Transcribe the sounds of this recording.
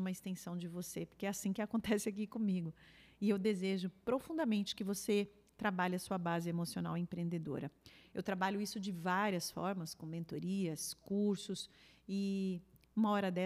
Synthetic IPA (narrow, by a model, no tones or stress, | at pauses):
umɐɪst̪ẽsɐ̃w̃d͡ʒɪvosepoɾkeɛasĩkɪakõnt̪ɛsɪak̬ikõmiɡʊɪewd̪ezeʒʊpɾofũnd̪ɐmẽnt͡ʃɪ̥kɪvose | t̪ɾabaʎɐsuɐbazɪemosiona̰wẽpɾeẽnd̪ed̪o̰ɾɐewt̪ɾabaʎʊisʊd͡ʒɪvaɾiɐsfɔ̰ɾmɐskõmẽnt̪oɾiɐskuɾsʊsɪ | ũmɐɔɾɐd̪ɛ